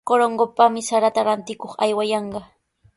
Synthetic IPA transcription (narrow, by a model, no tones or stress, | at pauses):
koɾoŋɢopamɪsaɾat̪aɾant̪ɪkoχa̰jwajɑɴɢɑ